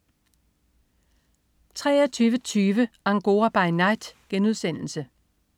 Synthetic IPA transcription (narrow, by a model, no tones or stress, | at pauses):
t͡sʰʁɛ̰ːɐt͡sʰyːʋət͡sʰyːʋəɑ̈ŋɡ̥o̝ːɐb̥ɑ̈ɪnɑ̈ɪd̥ɡ̥enuðˠsen̰l̩sə